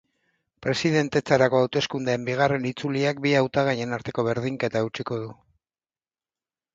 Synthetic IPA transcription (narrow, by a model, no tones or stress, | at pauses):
pɾe̞sið̞e̞nt̪e̞t͡saɾako̞awt̪e̞skund̪eːmbiɣ̞are̞nit͡suliak̚biawt̪aɣ̞aje̞naɾt̪e̞ko̞β̞e̞ɾð̞iŋkaet̪aewt͡ʃiko̞ð̞u